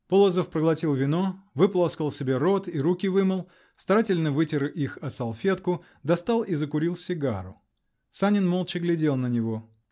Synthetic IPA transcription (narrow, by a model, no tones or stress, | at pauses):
polˠəzəfpɾəɡlˠɐtʲilˠvʲɪno̞vɨplˠaskəlˠsʲɪbʲe̞ɾo̞t̪iɾukʲɪvɨməlˠ | st̪ɐɾatʲɪlʲnəvɨtʲɪɾɨʔixɐsɐlˠfʲe̞t̪kʊ | d̪ɐst̪alˠizəkʊɾʲilˠsʲɪɡa̰ɾʊ̰ | sanʲɪnmolˠt͡ɕɪɡlʲɪdʲe̞lˠnənʲɪvo̞